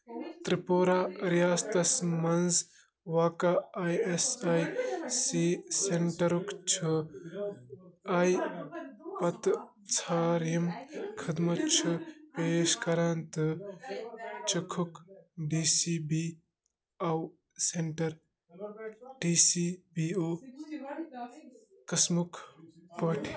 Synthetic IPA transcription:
t̪ɾipoːɾaːɾijaːst̪ɐsmɐnz | ʋaːkaajesajsiːseɳʈɐɾukt͡ʃʰu | ɐj | pɐt̪ | t͡sʰaːɾjɐmkʰɐd̪mɐt͡ʃʰupeʃkɐɾaːnt̪ɨ | t͡ʃukʰukɖiːsibi | aw | seɳʈɐɾ | ʈiːsibioː | kɐsmukʰpɐʈʰ

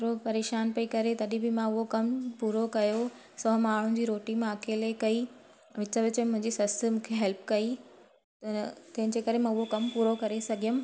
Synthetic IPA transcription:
ɾopɐɾeːʃaːnpɐikɐɾet̪ɐɗĩbɪmãʊɦokɐmpuːɾokɐjo | sɐɦmaːɽ̤ʊ̃̆d͡ʑiːɾoːʈimãɐkʰeːlekɐi | ʋɪt͡ɕəʋɪt͡ɕmʊ̃ɦɪ̃ɲd͡ʑisɐst̪ʰɪmũːkʰeɦɛlpkɐi | t̪ɐt̪ɐɦɪ̃d͡ʑeːkɐɾemãʊɦokɐmpuːɾokɐɾesɐɡʱijʊm

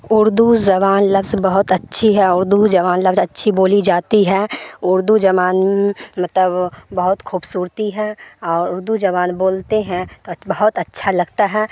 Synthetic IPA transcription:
ʊɾd̪uzɐβaːnlɐbzbɐɦʊt̪ətːʃʰiɦɛʊɾd̪uzɐβaːnlɐbzɐtːʃʰiboːlid͡ʒaːt̪iɦɛːʊɾd̪ud͡ʒɐbaːnmẽmɐt̪ləbbɐɦʊt̪kʰuːbsuːɾt̪iɦɛ̃ɔːɾʊɾd̪uzɐβaːnboːlt̪eɦɛ̃t̪obɐɦʊt̪ɐtːʃʰalɐɡt̪aɦɛː

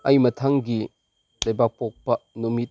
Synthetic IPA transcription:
ɐjmɐtʰɐŋɡi | lɐjbak̚pok̚pɐnumit̚

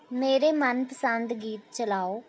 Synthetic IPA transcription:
meːɾemɐnpəsə̃nd̪ɡiːt̪̚t͡ʃəlaːoː

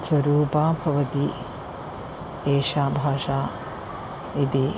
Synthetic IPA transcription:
swɐɾuːpaːbʱɐʋɐt̪i | eːʃaːbʱaːʃaː | it̪i

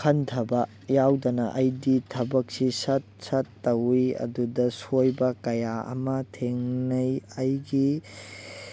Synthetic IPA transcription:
kʰɐntʰɐbɐkjawdɐnɐʔɐjditʰɐbɐk̚sisɐt̚sɐtːɐwiɐ̰dudɐsojbɐkɐjaɐ̰mɐtʰeŋnɐjɐjɡi

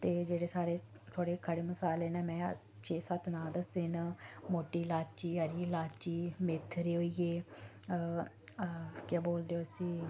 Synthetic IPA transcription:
t̪eːd͡ʒeːɽeːsaːɽeː | t̪ʰoːɽeːkʰəɽeːməsaːleːneːmɛ̃ː | t͡ʃʰeːsət̪nãːd̪əsɪnmoːʈiːlaːt͡ʃiːəɾiːlaːt͡ʃiːmɪt̪ʰːɾeːoːieː | kaːboːld̪eːoːəsĩː

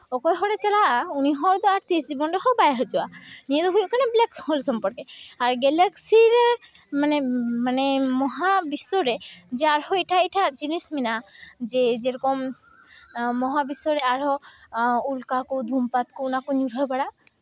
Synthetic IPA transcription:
ɔkɔjɦɔɽɛt͡ʃalaʔauniɦɔɾd̪ɔaɾt̪isd͡ʒibɔnɖɔɦɔbajaɦɔd͡ʒɔanijed̪ɔɦujɔʔkanɛblɛkhɔlsɔmpɔɾkɛaɾɡɛlɛksiɾɛ | manɛmanɛmɔɦabisɔɾɛd͡ʒɛaɾhɔiʈʰaiʈʰaʔd͡ʒinisminad͡ʒɛd͡ʒɛɾɔkɔm | ɔɦabisɔɾɛaɾɦɔ | ulkakɔd̪ʱumpat̪kɔunakɔɲuɾɦɔjbaɽaʔ

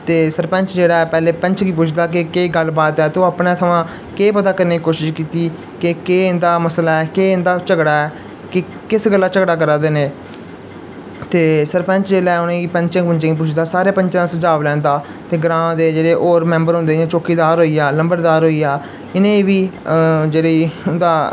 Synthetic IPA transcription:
t̪eːsəɾpə̃ɲt͡ʃd͡ʒeːɽaːɛːpɛːleːpəɲt͡ʃɡiːpʊt͡ʃʰd̪aːk̬ɪkeːɡəlbaːt̪ɛːt̪õːəpnẽːt̪ʰəʋãː | keːpət̪aːkəɾneːiːkoːʃɪʃkiːt̪iː | kɪkeːnd̪aːməslaːɛːkeːɪnd̪aːt͡ʃəɡɽaːɛː | kɪ | kɪsɡəlːaːt͡ʃəɡɽaːkəɾãːd̪eːneː | t̪eːsəɾpɛ̃ɲt͡ʃd͡ʒeːlaːɛːʊnẽːiːpɛ̃ɲt͡ʃə̃ŋpəɲt͡ʃẽːɡiːp̬ʊt͡ʃʰd̪aːsaːɾeːpəɲt͡ʃãːd̪ːsəd͡ʒaːʋlɛ̃ːnd̪aː | t̪eːɡɾãːd̪eːd͡ʒeːɽeːʔoːɾmɛ̃ːmbəɾɦʊ̃nd̪eːẽːt͡ʃoːkiːd̪aːɾɦoːiːjaːləmbəɾd̪aːɾɦoːiːaː | ɪnẽːʋiːd͡ʒeːɽeʊnd̪aː

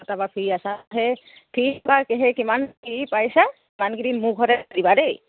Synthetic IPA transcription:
ɔt̪abapʰiasaɦɛ | pʰibakeɦɛkimankipajsa | imanɡiɾinmuɡʱɔɾɛdibaɾej

